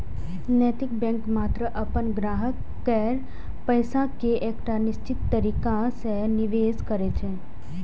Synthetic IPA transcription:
nɛt̪ik̚bɛ̃ŋkmat̪ɾəʔəpənɡɾaːɦəkːɛɾ | pəjsãkeʔekʈanɪst͡ʃɪt̪ːəɾikãsəɦniʋeskəɾet͡ʃʰe

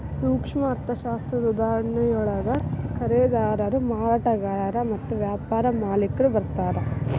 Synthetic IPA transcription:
suːkʂmɐːɾt̪ʰɐʃaːst̪ɾɐd̪ud̪aːɾɐɳɐjɔɭɐɡɐkɐɾeːd̪aːɾɐɾumaːɾaːʈɐɡaːɾɐmɐt̪ːuʋjaːpaːɾɐmaːlikːɐɭubɐɾt̪aːɾe

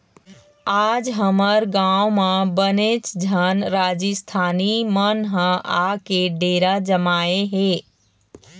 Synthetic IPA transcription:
aːd͡ʒɦəməɾɡãwmãbənet͡ʃd͡ʒʱənɾaːd͡ʒəst̪ʰaːnimənɦə̃ʔakeɖeɾad͡ʒəmaːeɦe

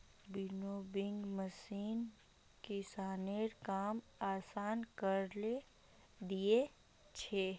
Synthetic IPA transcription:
bɪnoːbɪ̃ŋɡməsiːn | kɪsaːneɾkaːm | aːsaːnkəɾle | d̪ie | t͡ʃʰeː

